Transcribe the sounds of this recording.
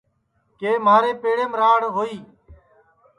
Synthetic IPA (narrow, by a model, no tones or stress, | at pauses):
keːmaːɾeːpeːɽeːmɾaːɽɦoːiː